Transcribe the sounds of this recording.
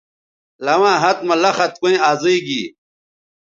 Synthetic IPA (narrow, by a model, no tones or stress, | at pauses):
lɐwãːɦɐt̪̚mɐlɐxɐt̪̚koĩaːzeiɡiː